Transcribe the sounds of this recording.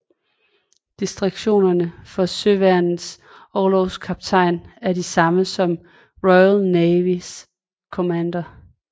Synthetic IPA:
d̥isd̥ʁɑɡ̥ɕo̝̰ːnɐnəfɒ̽søʋæɐnð̩ˠs | ɒlɒʊskʰɑ̈b̥̚t͡sʰɑ̈ɪ̰næɐdisɑ̈məsɒ̽m | ʁɔɪælneʋis | kʰo̝mænd̥ɐ

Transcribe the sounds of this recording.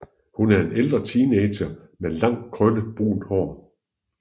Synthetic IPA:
hunæɐe̝neld̥ʁɐt͡sʰiːneɪ̥ɕɐ | melɑ̈ŋ̰d̥̚kʰʁœnəb̥ṵːnd̥hɒ̰ː

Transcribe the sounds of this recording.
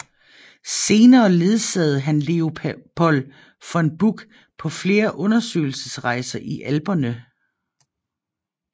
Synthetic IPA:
se̝ːnɐːle̝ð̞ˠsɛð̞̩ˠɦænle̝o̝pʰɔ̽l | fɒ̽e̝nb̥uɡ̥ | pʰɒ̽fle̝ːɐʔɔ̽nɐsø̰ːɪl̩səsʁɑ̈ɪsɐʔiʔælb̥ɐnə

